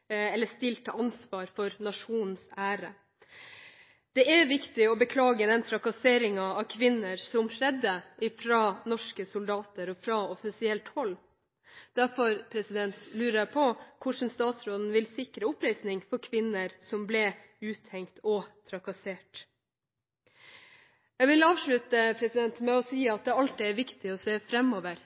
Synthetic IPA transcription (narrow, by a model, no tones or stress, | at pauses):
ɛlːəʂt̪ɪlt̪ːəʔɑnsʋɑːɾfɔɾnɑʂuːnn̩sæːɾə | d̪̥ɛʔæɾʋɪkt̪ɪɔbəkʰlɑːɡəd̪ɛnt̪ʰɾɑkɑseːɾɪŋɑɑʋkʰʋɪnːəɾsɔmʂɛd̪ːəʔɪfɾɑnɔʂkəsʊld̪ɑːt̪əɾɔfɾɑɔfɪsɪɛlt̪hɔlː | d̪̥æɾfɔɾpʰɾɛsɪd̪ɛnt̪lʉːɾəɾpʰɔkʰʊʂn̩st̪ɑːt̪sɾoːd̪n̩ʋɪlsɪkɾəʊpɾæɪsnɪŋfɔɾkʰʋɪnːəɾsɔmblɛ | ʉːt̪ʰhɛŋkt̪ɔt̪ʰɾɑkɑseːʈ | jæɡʋɪlɑːʋʂɭʉt̪əpʰɾɛsɪd̪ɛnt̪mɛɔsiːɑt̪̚d̪ɛɑlt̪̚d̪ɛæɾʋɪkt̪ɪɔseːfɾɛmːɔːʋəɾ